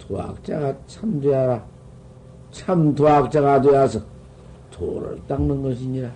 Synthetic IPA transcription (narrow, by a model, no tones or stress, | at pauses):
t̪ʰoa̰k̚t͡ʃakat͡ʃʰamtujaɾa | t͡ʃʰamt̪ʰoak̚t͡ʃakat̬ujasɯ | t̪ʰo̰ɾa̰taŋnɯŋɡɯs̬iɲiɾa